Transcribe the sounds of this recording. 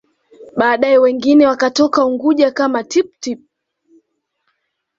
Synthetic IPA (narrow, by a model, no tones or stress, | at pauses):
ɓaːɗaɛwɛŋɡinɛwakatɔkauŋɡuʄakamatip̚tip̚